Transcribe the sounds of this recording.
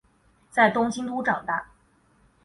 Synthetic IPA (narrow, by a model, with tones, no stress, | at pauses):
t͡sa˥˩ɪt̪ʊ˥ŋɕi˥ŋt̪u˥ʈ͡ʂɑ˨˩ŋt̪a˥˩